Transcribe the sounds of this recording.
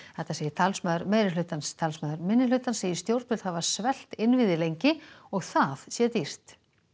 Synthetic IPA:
θɛht̪aseːjɪt̪ʰalsmœðʏɾmeːjɾɪlʏt̪anst̪ʰalsmœðʏɾmɪnːɪlʏːt̪anseːjɪst̪jowɾt̪ʏlt̪haðvaɾ̥svɛl̥t̪ɪnvɪðɪlejɲcɪɔɣθaðsjɛt̪ir̥t̪

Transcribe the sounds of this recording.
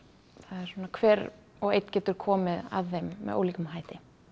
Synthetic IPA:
θaðɛɾ̥sɔːnakʰvɛːɾ | ɔɣḛjt̪ncɛːt̪ʏɾ̥kʰɔːmɪða̰ðθejmːɛ̰o̰ːwliːkʏmɦaːjt̪ɪ

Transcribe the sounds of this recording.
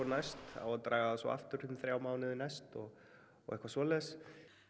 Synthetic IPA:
ɔnajst̪a̰wat̪ɾaːɣaðasvɔ̰ʔa̰ft̪ʏɾ̥ʏmθɾjaːwmaːwnɪðɪnajst̪ɔɣ̰ː | ɣɛhkvasvɔːlɛɣs

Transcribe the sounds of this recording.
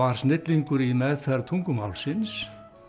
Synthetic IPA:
aɾ̥snɪt̪liŋkʏɾimɛðθɛɾat̪ʰuŋkʏmawlsɪns

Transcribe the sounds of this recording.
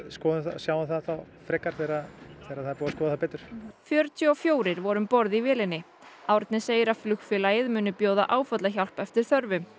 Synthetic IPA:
skɔːðɪθa̰sjaːwaθaðθaw | fɾɛːkːaɾ̥θeːɾaθeɾaðθaðpoːwaskɔːðaθawpɛːt̪ʏɾ̥fjœɾt̪ʰjʏɔfjoːwɾɪɾvɔɾʏmpɔɾðivɪːlɪnːɪ | aːwɾɪt̪nɪseːjɪɾaðflʏxfɪlajɪðmʏːnʏpjoːwða̰ʔaːwfœt̪laçal̥pɛft̪ɪɾ̥θœɾvʏm

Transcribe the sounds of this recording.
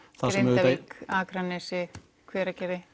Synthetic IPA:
θaðsɾɛmɛkaːkɾanɛsɪ | kʰvɛːɾacɛːɾɪ

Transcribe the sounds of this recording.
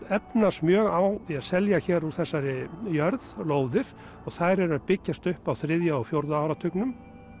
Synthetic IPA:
ɛpnasmjœːɣawθiaðsɛljaçɛːɾu̥θɛsːaɾɪjœɾðloːwðɪɾ̥ | ɔɣθajɾɛɾaðpɪcːast̪ʏhpawθɾɪðjaɔɣfjowɾðaaːwɾat̪ʰʏknʏm

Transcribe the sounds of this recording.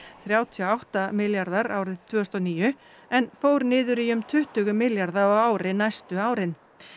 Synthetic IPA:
θɾjaːwt̪ʰjɔawht̪amɪljaɾðaɾaːwɾɪðt̪ʰvʏːst̪ɔniːjʏ | ɛnfoːwɾnɪːðʏɾiʏmt̪ʰʏht̪ʏɣʏmɪljaɾðaɔɣaːwɾɪnajst̪ʏaːwɾɪn

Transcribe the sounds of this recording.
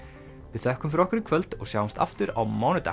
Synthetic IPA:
vɪðθɛhkʏmfɾɔhkʏɾɪkʰvœlt̪ɔɣsjawmst̪a̰ft̪ʏɾa̰wmaːwnʏt̪a̰

